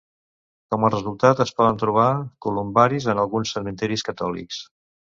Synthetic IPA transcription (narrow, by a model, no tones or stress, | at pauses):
kɔmərəzulˠt̪at̪əspɔðənt̪ɾuβ̞akulumbaɾizənəlˠɣunsːəmənt̪ɛɾiskət̪ɔlḭks